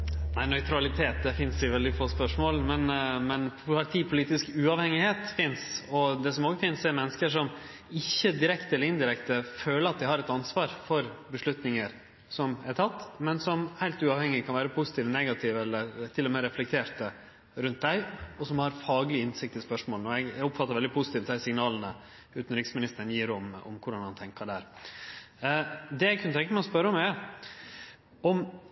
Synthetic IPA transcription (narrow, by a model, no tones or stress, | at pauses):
næɪnœʏt̪ʰɾɑlɪt̪ʰeːt̪̚d̪ɛfɪnsɪʋɛld̪ɪfoːspœʂmoːlmɛnmɛnpʰɑɾt̪ʰiːpʰʊliːt̪ɪskʉːɑʋhɛŋɪheːt̪fɪnsɔd̪ɛsɔmoːɡəfɪnsɛɾmɛnːəskəʂɔm | ɪçːəd̪ɪɾɛkt̪əɛləɾɪnd̪ɪɾɛkt̪əføːləɾɑt̪̚d̪æɪhɑɾɛt̪ɑnsʋɑːɾfɔɾbəʂɭʉt̪nɪŋəɾ | sɔmæʈ̪ʰɑt̪ːmɛnsɔmhæɪlt̪ʉːɑːʋhɛŋːɪkʰɑnʋæːɾəpʰusɪ̥t̪ʰiːʋnɛɡɑt̪ʰɪʋɛlːəɾt̪ʰɪlːɔmɛɾɛflɛkt̪ʰeːɾt̪ə | ɾʉnt̪̚d̪æɪɔsɔmhɑɾfɑːɡlɪɪnsɪk̚t̪ɪlspœʂmoːlnɔɛɡʊpfɑt̪ːɑɾʋɛld̪ɪpʰʊsɪt̪iːft̪̚d̪æɪsɪŋnɑːlnə | ʉːt̪n̩ɾɪksmɪnɪst̪ənjiːɾɔmɔ̰mkʰʊɖɑnhɑnt̪ʰɛŋkəɖæɾ | d̪ɛæɡkʰʉnət̪ɛŋkːəmæɪɔspœɾəɔmæ | ɔm